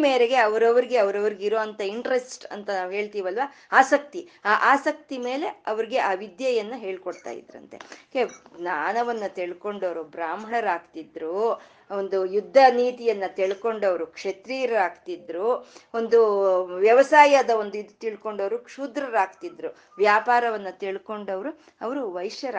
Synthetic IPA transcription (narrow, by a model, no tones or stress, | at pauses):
meːɾeɡe̞ɐʋɐɾɐʋɐɾiɡe̞ɐʋɐɾɐʋɐɾiɡiɾoːɐnt̪ɐiɳʈɾe̞sʈɐ̰nt̪ɐnaːʋɦeːɭt̪iːʋɐlʋaː | aːsɐk̚t̪iaːʔaːsɐk̚t̪ime̞ːle̞ɐʋɐɾiɡe̞ʔaːʋid̪jɐjɐnːɐɦeːɭkoɽt̪a̰ːjḭd̪ɾɐ̰nt̪e̞̰keɡnaːnɐʋɐnːɐt̪eɭko̞ɳɖɐʋɾubɾaːmɦɐɳɐɾaːɡt̪id̪ːɾuː | ond̪ujud̪ʱːɐniːt̪ijɐnːɐt̪iɭko̞ɳɖɐʋɐɾukʂet̪ɾiːɾɐɾaːɡt̪id̪ɾuːo̞nd̪uʋjɐʋɐsaːjɐd̪ɐo̞nd̪uid̪ut̪iɭko̞ɳɖɐʋɾukʂuːd̪ɾɐɾaːɡt̪id̪ɾu | ʋjaːpaːɾɐʋɐnːɐt̪iɭko̞ɳɖɐʋɐɾu | ɐʋɐɾuʋɐjʂjɐɾ